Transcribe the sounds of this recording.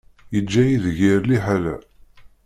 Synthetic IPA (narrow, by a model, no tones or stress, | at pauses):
jəd͡ʒːæjiðʝiɾliħalæ̰